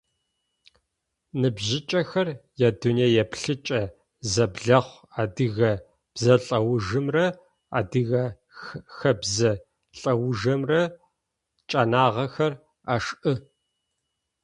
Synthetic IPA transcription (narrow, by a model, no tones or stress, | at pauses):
nɨbʑɪt͡ʃʼɐxɐrjɛduneːjɛpɬɨt͡ʃʼɐ | zɐbɮɐχʷ | aːdɨɣɐ | b̥zɐɬʼɐwʊʒɨmrɐ | a̰ːdɨɣɐ | xɐbzɐ | ɬʼɐwʊʒɐmrɐ | t͡ʃʼɐnaːʁɐxɐr | aʂʔɨ